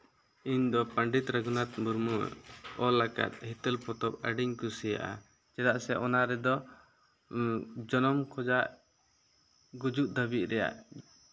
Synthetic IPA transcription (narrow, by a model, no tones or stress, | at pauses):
iɲd̪ɔpaɳɖit̪ɾaɡunat̪̚muɾmṵɔlaka̰t̪̚ˀhit̪əlpɔt̪ɔp̚əɖiɲkusɛja̰ʔa̰ | t͡ʃɛdaʔsɛʔɔnaɾɛd̪ɔ | d͡ʒɔnɔmkʰɔd͡ʒaʔ | ɡud͡ʒuʔ̚d̪əbiʔ̪̚ɾɛja̰ʔ